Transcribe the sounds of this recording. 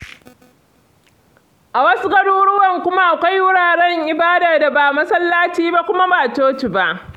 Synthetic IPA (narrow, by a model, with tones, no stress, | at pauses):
ʔa˨wɐ˦su˦ɡɐ˦duː˦ɽʊ˦wɐ˨ŋkʷʊ˦ma˦ʔa˨kʷa˦jwʊ˦ɽaː˨ɽɛ˦ŋʔɪ˨baː˦da˨da˨baː˨mɐ˦sɐ˦lːaː˦t͡ʃiː˦ba˦kʷʊ˦ma˦baː˨toː˦t͡ʃi˨ba˦ʔ